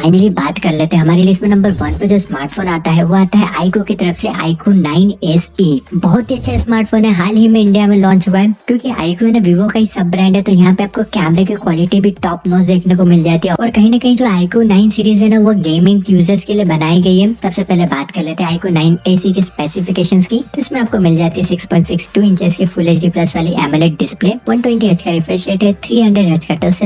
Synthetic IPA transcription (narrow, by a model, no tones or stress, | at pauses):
aːɪnəlibaːt̪kɐɾleːt̪eɦɛ̃ɦɐmaːɾeliɪsʈmẽnɐ̃mbəɾʋɐnpɐd͡ʒoːsmaːɾʈfoːnaːt̪aɦɛʋoaːt̪aɦɛʔaːɪkokit̪ɐɾəfseʔa̰ːɪkoːnnaːɪnɛsiːbɔɦʊt̪ɦiɐtːʃʰasmaːɾʈfoːnɦɛɦaːlɦimẽɪ̃ɳɖijamẽlɔ̃ːɲt͡ʃɦuaɦɛkjõːkiʔa̰ːɪkoɛnɐʋiʋokaisɐb̚ːɾɛ̃ːɳɖɦɛt̪ojɐɦãpeap̚kokɛːmɾekikwɔːlɪʈibʱiʈɔːpnoːs̬d̪eːkʰnekomɪld͡ʒaːt̪iɦɛɔːɾkɐɦĩnɐkɐɦĩd͡ʒoaːɪkonaːɪnsiːɾiːzɦɛnɐʋoɡeːmɪ̃ŋɡjuːzəɾskeliebɐnaːiɡɐiɦɛsɐbsepɛɦlebaːt̪kɐɾleːt̪eɦɛ̃aːɪkunaːɪneːsikespɛːsɪfɪkeːʃənskiɪsmẽaːp̚komɪld͡ʒaːt̪iɦɛsɪkspɔ̃ːɪ̃nʈsɪksʈuːɪ̃ɲt͡ʃɛskifuleːt͡ʃɖiplɐsʋaːliʔɛːmɛleʈ̚ɖɪspleːʋɐ̃nʈwɛ̃ɳʈiɐt͡ʃkaɾɪfɾɛ̃ʃʈeːʈɦɛt̪ʰɾiːɦɐ̃ɳɖəɖɦɐɾt͡ʃkɐʈəlse